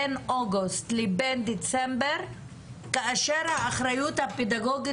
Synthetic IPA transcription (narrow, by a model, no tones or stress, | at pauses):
enʔoɡust̪libend̪it͡sembeʁ | kaaʃe̞ɾhaːχɾajut̪haped̪aɡo̞ɡi